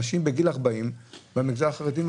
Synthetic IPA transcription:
aʃimbeɡilaʁbaimbamiɡzaaχaʁed̪im

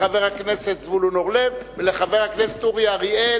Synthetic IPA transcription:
ave̞ʁhakneset̪zvulunoʁlevveleχave̞ʁhaknest̪uʁjaʁie

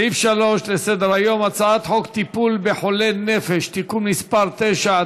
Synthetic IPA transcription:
ifʃalo̞ʃlesed̪eʁhajo̞mat͡saat̪ħokt̪ipulbeħo̞lenefeʃt̪ikumnispaʁt̪ejʃa

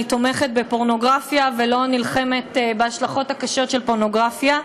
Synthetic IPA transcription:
it̪o̞me̞χet̪̚bepo̞ʁno̞ɡʁafjavelo̞nilχe̞me̞t̪beaʃlaχo̞thakaʃo̞t̪ʃe̞lpo̞ʁno̞ɡʁafja

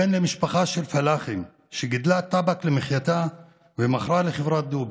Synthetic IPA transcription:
enlemɪʃbaxaːʃelfalaːxɪm | ʃeɡɪd̪lat̪ˤːabaklemɪχjat̪a | wemaχɾˤɑlexevɾˤat̪̚d̪ub

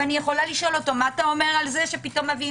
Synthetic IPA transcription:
anijeχo̞laliʃo̞lo̞to̞maatao̞me̞ʁalze̞ʃepito̞mːavi

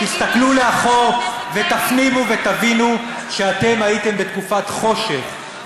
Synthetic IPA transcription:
tist̪akluleaχo̞ʁve̞t̪afnimuve̞t̪avinu | ʃeat̪e̞mhait̪e̞mbet̪kufat̪χo̞ʃe̞χ

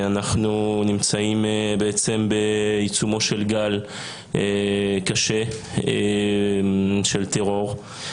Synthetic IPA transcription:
anaχnunimt͡saimbeet͡sembeit͡sumo̞ʃelɡal | ʔekaʃe | ʃelt̪eʁo̞ʁ

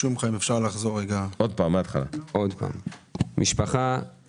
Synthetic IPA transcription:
umχaimefʃaʁlaχzoʁeɡaod̪̚pamːeat̪χa̰la̰ʔod̪pa̰ːmmiʃpaχa

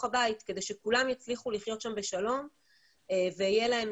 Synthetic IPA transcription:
abait̪ke̞d̪e̞jʃekulamjat͡sliχuliχjo̞tʃambeʃalo̞m | eveajelahe̞m

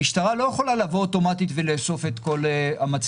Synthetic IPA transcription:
iʃt̪aʁalojeχo̞lalavooto̞matit̪veleːso̞fet̪ko̞lamat͡s

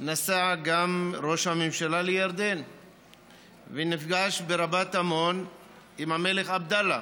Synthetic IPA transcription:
nasaɡamʁo̞ʃhamemʃalalejaɾd̪e̞n | venifɡaʃbeɾabat̪amo̞n | imhame̞le̞χabd̪ala

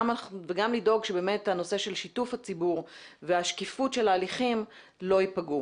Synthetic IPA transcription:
maveɡamlido̞ɡʃebeːme̞thano̞se̞ʃe̞lʃitufhat͡sibuʁveaʃkifutʃe̞laːliχim | lo̞ipaɡu

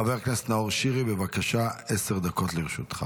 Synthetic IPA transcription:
avekneset̪naoʁʃiʁibevakaʃaeseʁd̪ako̞t̪liʁʃut̪χa

